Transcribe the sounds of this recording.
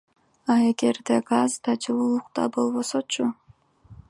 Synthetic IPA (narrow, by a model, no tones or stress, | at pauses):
ɑe̞ɡe̞ɾd̪eɡazd̪ɑd͡ʒɯlˠulˠuq̚t̪ɑ̰bo̞lˠβo̞sot͡ʃʰu